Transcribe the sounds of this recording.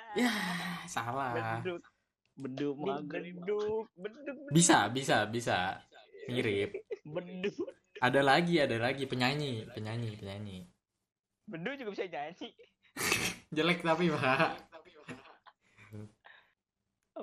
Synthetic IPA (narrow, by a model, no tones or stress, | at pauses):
jasalah | bədʊəduk̚bədʊbisa̰bisabisa̰məiɾɪp̚bədu | ʔadalaɡiadalaɡipəɲaɲipəɲaɲipəɲaɲi | bəduk̚d͡ʒuɡabisaɲaɲi | d͡ʒəlɛk̚t̪apiba